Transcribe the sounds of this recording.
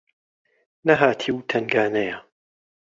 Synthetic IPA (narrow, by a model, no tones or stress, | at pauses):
nɐɦaːt̪ʰiːwt̪ʰɐŋɡaːnɐjɐ